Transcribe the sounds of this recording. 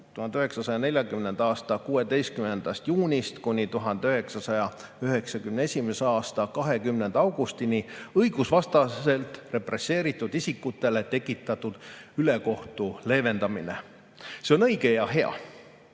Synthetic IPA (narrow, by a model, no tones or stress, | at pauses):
t̪uhɑnd̪yɦe̞ksɑsɑjɑne̞ljɑkymne̞nd̪ɑːst̪ɑkuːe̞d̪e̞jst̪kymnend̪̥ɑst̪juːnʲist̪kunʲːit̪uɦɑnd̪̥eyɦe̞ksɑsɑjɑ | yɦe̞ksɑkymnee̞sʲimeseɑːst̪ɑkɑɦe̞kymne̞nd̪ɑwɡ̥ust̪iniɤjɡ̥usvɑst̪ɑse̞lt̪re̞pre̞se̞ːɾit̪ːˑud̪̥isʲikːˑut̪ːˑe̞le̞t̪e̞kːˑit̪ːˑɑt̪ud̪̥yle̞ko̞ht̪ule̞ːve̞nd̪̥ɑmine̞̰ | seo̞nɤ̞jɡe̞jɑɦe̞ɑ̰